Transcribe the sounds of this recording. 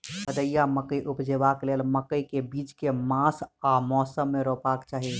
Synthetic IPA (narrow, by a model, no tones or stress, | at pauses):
bəd̪əjːaməkəjʔupd͡ʒebaklelməkəikebiːd͡ʒkemãsamɔːsəmːeɾopakt͡ʃaːɦi